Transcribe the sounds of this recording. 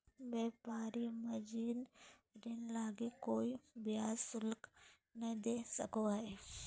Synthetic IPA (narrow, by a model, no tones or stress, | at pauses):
beːpaːɾimɐd͡ʒiːnɾɪnlaːɡekoːibijaːsʊlk | nɐĩd̪eːsɐkoɦɛː